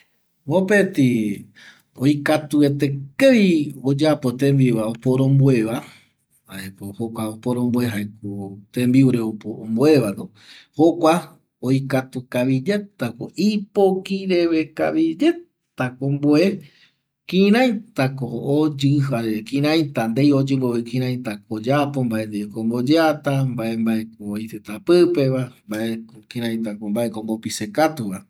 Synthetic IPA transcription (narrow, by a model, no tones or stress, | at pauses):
opet̪i | ojkat̪uet̪ekeiod͡ʒapot̪ẽmbiβaopoɾõmbweβa | aepohokʷaopoɾõmbwe̞ɦajk̚ut̪ẽmbiuɾeopoõmboe̞βad̪o | hokʷa | ojkat̪ukaʋid͡ʒe̞t̪akoʔipokiɾeβeka̰βid͡ʒet̪akomboe | kĩɾ̃ãj̃t̪akood͡ʒɨaekĩɾ̃ãj̃t̪and̪ejod͡ʒɨmboekĩɾãj̃t̪akod͡ʒapombaʔend̪iekombod͡ʒeat̪ambaʔe̞mbaekoojt̪et̪apɨpe̞βambaʔekokĩɾ̃ãj̃t̪akombaʔekombopisekat̪uβa